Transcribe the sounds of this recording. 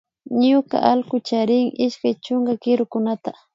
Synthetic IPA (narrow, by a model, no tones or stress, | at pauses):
ɲʊka̰ʔalkʊt͡ʃaɾɪŋɪʃkajt͡ʃʊŋɡakɪɾʊkʊnat̪a